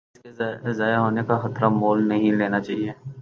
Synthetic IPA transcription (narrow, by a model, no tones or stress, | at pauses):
ɪɪskezaːjaɦoːnekaxɐt̪ɾamoːlnɐɦĩleːnat͡ʃaːɦieː